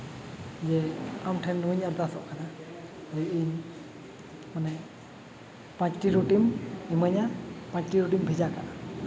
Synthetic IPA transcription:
d͡ʒɛamʈʰɛnːuɲaɾd̪asɔʔkana | ɛiɲ | manɛ | pãt͡ʃʈiɾuʈimiməɲapãɲt͡ʃʈiɾuʈimbʱid͡ʒakaʔa

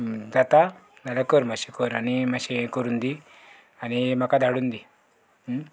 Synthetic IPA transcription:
d̪at̪a | d̪alakoɾmaɕikoɾanimaɕekoɾund̪i | animakad̪aɽund̪i

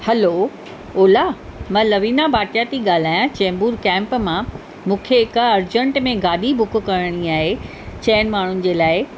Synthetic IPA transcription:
hɐlo | oːlamɐ̃lɐʋiːnabʱaːʈjat̪iɠaːl̤aːjãt͡ɕɛ̃ːmbuːɾkɛ̃ːmpmã | mũːkʰeɪkɐɾd͡ʑə̃ɳʈmẽɡaːɗ̪ibʱʊk̆kɐɾəɽ̃iaːɦe | t͡ɕɐːnmaːɳ̤ʊnɪ̆d͡ʑeːlaːɪ

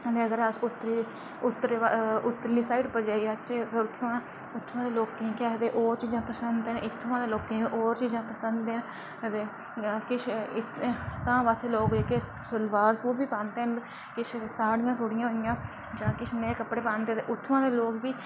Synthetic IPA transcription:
t̪eːəɡəɾəsʊt̪ːɾi | ʊt̪ːɾeaʊt̪ːəɾliːsaːɪʈpəɾd͡ʒaːiːaːt͡ʃːpːʊt̪ʰːãː | ʊt̪ʰːãːd̪eːloːkːĩːkːt̪eːʔoːɾt͡ʃid͡ʒãːpəsənd̪nɪt̪ʰːãːd̪eːloːkẽːʔoːɾt͡ʃəd͡ʒãːpəsənd̪en | t̪eː | kɪt͡ʃʰɪt̪t̪ãːʋaːseːloːkːeːke | slʋaːɾsuːbiːpãːnt̪eːɦən | kɪt͡ʃʰsaːɽɪjãːsoːɽɪjãːɦoɪjãː | d͡ʒãːkɪt͡ʃʰnẽːkəpːɽeːpãːnd̪eːt̪eʔʊt̪ʰːãːd̪eːloːkbiː

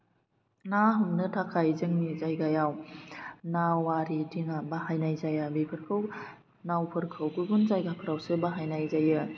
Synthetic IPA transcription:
naɦumnɯtʰakʰajzɯŋnizajɡajaw | nawaɾidiŋabaɦajnajzajabipʰɯɾkʰɯw | nawpʰɯɾkʰɯwɡɯbunzajɡapʰɯɾawsɯbaɦajnajzajɯ

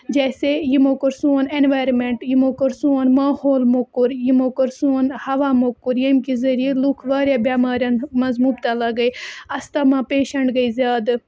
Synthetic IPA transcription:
d͡ʒɛːsejimokɐɾsunenʋaːjɾmẽɳʈjimokəɾsunmaːhoːlmokːuɾjimokɐɾsunhɐʋaːmokːuɾjɐmkizɐɾijelukʰʋaːɾʲjabjaːmaːɾʲjanmɐzmuːbt̪alɐɡɐiɐst̪aːmãːpeːʃɐɳʈɡɐizʲjaːd̪

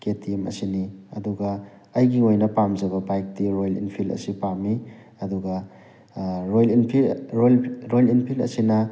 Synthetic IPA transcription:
ketʰimɐ̰siniɐ̰duɡɐ | ɐjɡiojnɐpamzɐbɐbajk̚tiɾojlḭnpʰilɐ̰sipamːi | ɐduɡɐ | ɾojlinpʰilɾojlinpʰilɐ̰sinɐ

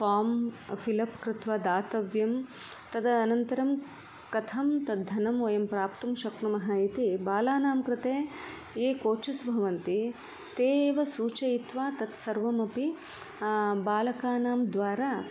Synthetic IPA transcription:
faːmfʰilɐpkɾɪt̪ʋaːd̪aːt̪ɐʋjɐm | t̪ɐd̪ɐːnɐnt̪ɐɾɐm | kɐt̪ʰɐmt̪ɐd̪d̪ʱːɐnɐmojɐmpɾaːpt̪umʃɐkɳɐmɐɦɐit̪ibaːlaːnaːmkɾɪt̪eː | eːkoːt͡ʃɐsbʱɐʋɐnt̪i | t̪eːʋɐsuːt͡ʃɐjit̪ʋaːt̪ɐt̪sɐɾʋɐmɐpi | baːlɐkaːnaːmd̪ʋaːɾaː

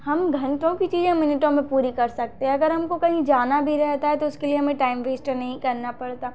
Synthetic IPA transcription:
hɐmɡʱɐ̃ɳʈõkit͡ʃiːzẽmɪnɪʈõmẽpuːɾikɐɾsɐk̚t̪ẽɦɛ̃ɐɡəɾɦɐmkokɐɦĩd͡ʒaːnabʱiɾɛɦt̪aɦɛt̪oʊskelieɦɐmẽʈaːɪmʋeːsʈnɐɦĩkɐɾnapɐɽt̪aː

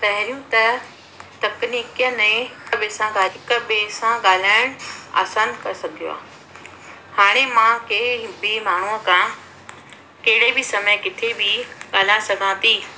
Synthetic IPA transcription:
t̪ɐɦɪɾijũt̪ɐ | t̪ɐkniːkijənẽbesãɡaːɦɪkbeːsãɠaːl̤aːɪɽ̃a̰ːsənkɐsɐɡʱijo̰a̰ː | haːɽ̃emãkebimaːɳ̤uəkʰã | kɐɦɪɽebʱɪsɐməjkɪt̪ʰebɪɠaːl̤ãsɐɡʱãt̪ʰiː

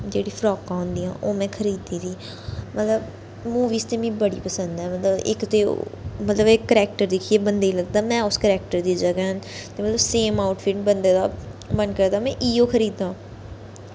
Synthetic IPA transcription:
d͡ʒeːɽiːfʰɾɔːkãɦʊ̃nd̪iːãːʔoːmɛ̃ːkʰəɾiːd̪iːɾiː | mət̪ləb | muːʋiːst̪eːmĩːbəɽḭːpəsə̃nd̪ɛːmət̪ləbɪ̰kt̪ḛːmət̪ləbekːəɾɛːkʈəɾd̪ɪkʰieːbənd̪eːiləɡd̪aːmɛ̃ːʊskəɾɛːk̚ʈəɾd̪iːd͡ʒəɡaɦənt̪eːmət̪ləbseːmaːʊʈfʰɪʈbənd̪eːd̪aːbənkəɾd̪aːmɛ̃ːʔiːoːkʰəɾiːd̪ãː

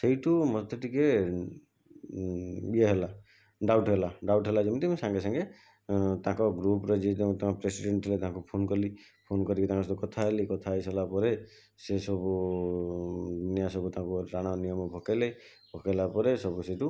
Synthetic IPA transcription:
sejʈumɔd̪ʱɔʈike | bieɦela | ɖawʈɦelaɖawʈɦelad͡ʒemũt̪isãŋɡesaŋɡe | t̪ãkɔɡɾupɾɔd͡ʒed̪eũt̪ɔmapɾesiɖeɳʈʰilet̪aɦãkupʰonkɔli | pʰonkɔɾikit̪ãkɔsɔt̪ukɔt̪ʰaɦelikɔt̪ʰajsɔlapɔɾe | sesɔbu | d̪unjasɔbut̪ãkuɾaɽ̃ɔnijɔmɔbʱɔkele | bʱɔkelapɔɾesɔbuseʈu

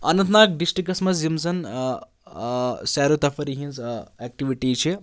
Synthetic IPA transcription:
ɐnɐ̃nt̪ʰnaːk̚ɖisʈɾikːɐsmɐs̬zimzɐn | sɛːɾut̪ɐfʰɐɾiɦĩnzeːk̚ʈiʋiʈit͡ʃʰi

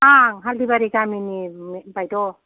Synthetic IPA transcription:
aŋɦaldibaɾiɡaminimbajdɔ

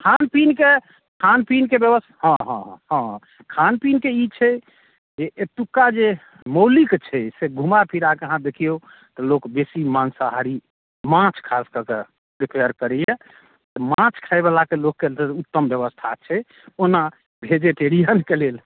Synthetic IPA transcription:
kʰanpinke | kʰanpinkebjəbəshə̃ɦə̃ɦə̃ | kʰanpinkeit͡ʃʰɛ | d͡ʒeʔet̪ukːad͡ʒe | məwlikt͡ʃʰɛseɡʱumapʰiɾakeəɦãd̪ekʰijo | t̪ɔlokbesimansaɦaɾi | mãt͡ʃʰkʰaskəke | ɾipʰejəɾkəɾɛjẽ | t̪ɔmãt͡ʃʰkʰaebalakelokːeleut̪ːəmbjəβəst̪ʰat͡ʃʰɛ | ona | bʱed͡ʒeʈeɾijənkelel

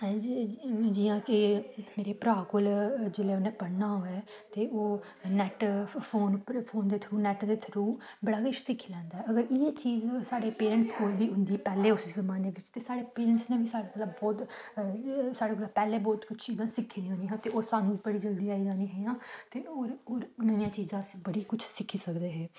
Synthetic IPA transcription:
d͡ʒɪːãːkɪmeːɾeːpɾaːkʊld͡ʒeleːonẽːpəɽnaːɦoːɛː | t̪eːoː | nɛːʈfʰoːnfʰoːnd̪eːt̪ʰɾuːnɛːʈd̪eːt̪ʰɾuːbəɽaːɡɪʃt̪ɪkʰilɛ̃ːnd̪aːɦɛːəɡəɾɪeːt͡ʃiːzsaːɽeːpeːɾə̃ɳʈskoːlʋiːɦʊ̃nd̪iːpɛːleːʊszəmaːneːʋɪt͡ʃt̪eːsaːɽeːpeːɾəɳsnẽːbiːsaːɽaːələbbɔːt̪ː | saːɽeːɡolaːpɛːleːbɔːt̪kʊt͡ʃʰt͡ʃiːzãːsɪkʰːiĩɦõːniːɦɛ̃ːt̪eːoːsaːnũːbəɽiːd͡ʒəld̪iːaːiːd͡ʒaːniːɦɛːjãːt̪eːoːɾoːɾnəijãːt͡ʃiːzãːsbəɽiːkʊt͡ʃʰsɪkʰːiːsəkd̪eːɦɛː

